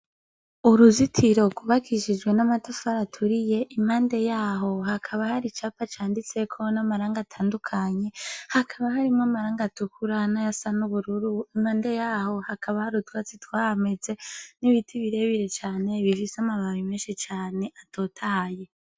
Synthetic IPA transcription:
uɾuzitʰiɾo̞kuβakʰiʃid͡ʒɡwe̞namatafaɾatʰuɾije̞ʔimhaːnde̞jaːɦo̞hakʰaβahaɾit͡ʃapat͡ʃaːndit͡se̞kʰo̞namaɾaːŋɡatʰaːndukʰaɲe̞hakʰaβahaɾimŋamaɾaːŋɡatukʰuɾanajasanuβuɾuɾuimhaːndejaːho̞hakʰaβahaɾutwaːt͡sitwaːhame̞d͡ze̞niβitʰiβiɾe̞βiɾe̞t͡ʃaːne̞βifisamaβaβime̞ːnʃit͡ʃaːne̞ʔatʰo̞tʰaje̞

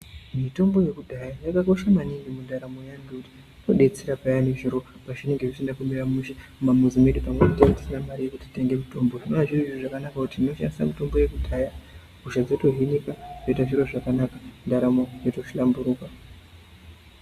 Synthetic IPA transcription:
mito̞mbo̞je̞kudʱajajakako̞ʃamaniŋɡimundaɾamo̞jaŋɡekuti̥ | to̞ɗe̞t͡seɾapajaneʐiɾo̞ | paʐine̞ŋɡe̞ʐisindakumiɾamuʃe | umamuzimeɗipamweutaati̥sinamaɾije̞kuti̥te̞ŋɡe̞mito̞mbo̞ʐinonaʐiroioʐakanakakutino̞ʃa̰ndisamito̞mbo̞je̞kudʱaːja | ɡuʒad͡zoto̞ɦinikaʐoitaʐiɾo̞ʐakanakḁndaɾamo̞joto̞ʃilambuɾuːka

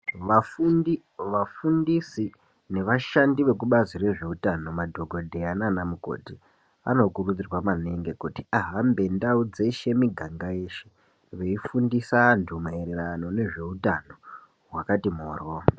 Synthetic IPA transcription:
ʋafuni | ʋafundisi | ne̞ʋaʃandiʋe̞kuɓazire̞ʐe̞utano̞madʱo̞ɡʱo̞dʱeananamuko̞̰ti | a̰no̞kurud͡zirwamaneŋɡe̞kutiaɦambe̞ndaud͡ze̞ʃe̞miɡʱaŋɡaje̞ʃe̞ | ʋe̞ifundisaːntʰumaeɾeɾano̞ne̞ʐe̞utano̞ | ɦwakatimo̰ːrwo

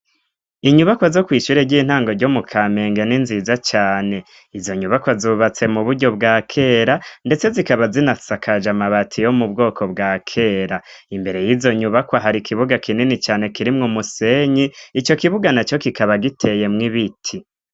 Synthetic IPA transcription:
iɲuβakwazokwiːʃuɾeɾɟiːn̥haːŋɡoɾɟomukʰaːme̞ːŋɡeninzizat͡ʃaːne̞ | izo̞ɲuβakwazuβat͡se̞muβuɾɟo̞bɡaːkʰe̞ːɾande̞t͡se̞zikaβazinasakʰad͡ʒamaβatʰijo̞mubɡo̞ːko̞bɡaːkʰe̞ɾa | imbe̞ɾe̞jizo̞ɲuβakwaɦaɾikiβuɡakʰininit͡ʃaːne̞kiɾimŋomuse̞ɲiːt͡ʃo̞kiβuɡanat͡ʃo̞kikaβaɡitʰe̞je̞mŋiβitʰi

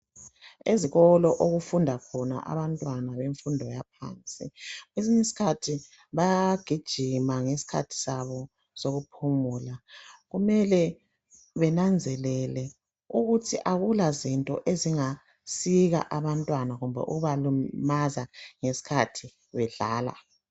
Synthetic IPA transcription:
eziɣɔlɔʔoɣufundʱakʰɔna̰ʔa̰βantʼwanaβeɱfundʱɔjapʰa̰ːnt͡sʼḭɣweziɲesi̥kʰatʰi | βajaɡ̥ʱid̥ʒ̥ʱimaŋesi̥kʰa̰tʰi̥saβɔ | soɣupʰumuːlaɣumɛlɛ | βɛnand͡zʱɛlɛlɛ | uɣutʰiʔaɣulazintʼɔ̰ʔeziŋa | siɣa̰ʔaβantʼwanaɣumbʱɛ̰ʔṵɣuβalumazaŋesi̥kʰatʰi | βɛɮaːla̰

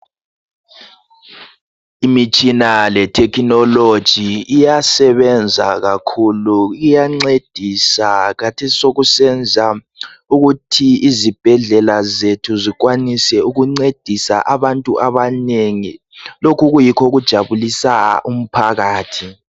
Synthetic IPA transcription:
imit͡ʃʼinalɛtʰɛkʰinɔlod̥ʒ̥ʱiijasɛβɛnd͡zʱaɣakʰuluɣujaŋ͡ǀed̥ʱisaɣatʰesi̥soɣusɛnd͡zʱa | uɣutʰiizib̥ʱɛɮɛlazetʰuziɣwanisɛuɣuŋ͡ǀed̥ʱisa̰ʔaβantʼuʔaβaneŋi | lokuɣujikʰoɣud̥ʒ̥ʱaβulisaa̰ʔum̩pʰaɣaːtʰi

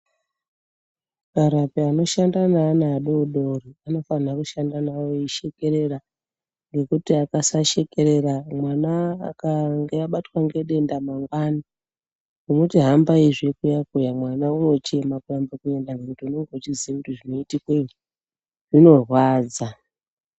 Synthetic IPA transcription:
kaɾapiano̞ʃandanaːnaːɗouɗoriano̞fanakuʃandanawoiʃe̞ke̞ɾe̞ɾa | ŋɡe̞kutiakasaʃe̞ke̞ɾe̞ɾamwanaːkaŋɡeaɓatwaŋɡe̞ɗe̞ndamaŋɡwaːna | ʐ̥onotiɦambaiʐekujakujamwanauno̞t͡ʃe̞makujambakue̞ndaŋɡe̞kutiunoŋɡot͡ʃiziakutiʐino̞itikwe | ʐ̥ino̞rwaːd͡za

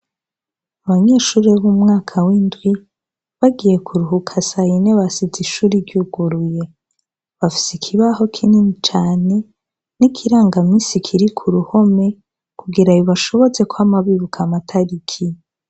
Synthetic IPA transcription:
aβaɲe̞ːʃuːɾeβumŋaːkʰawiːndwi | βaɡije̞kʰuɾuɦukʰasaineβasiziʃuːɾiɾɟuɡ̥uɾuje̞ | βafi̥sikʰiβaho̞kʰininit͡ʃaːne̞ | nikʰiɾaːŋɡamiːsikʰiɾikʰuɾuho̞me̞ | kʰuɡiɾajoβaʃo̞βo̞t͡se̞kohamaβiβukʰamatʰaɾikʰi

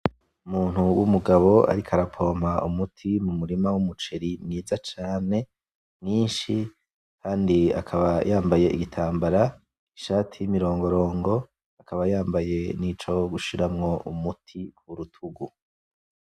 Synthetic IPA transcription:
umuːn̥huwumuɡaβo̞a̰ɾikʰaɾapʰo̞ːm̥aʔumutʰimumuɾimawumut͡ʃe̞ɾiniːzat͡ʃaːne̞ | niːnʃi | kʰaːndia̰kʰaβajaːmbaje̞ʔiɡitʰaːmbaɾa | iʃaːtʰijimiɾo̞ːŋɡo̞ɾo̞ːŋɡo̞ | akaβajaːmbaje̞nit͡ʃo̞ɡuʃiɾamŋo̞ʔumutʰikʰuɾutʰuɡu

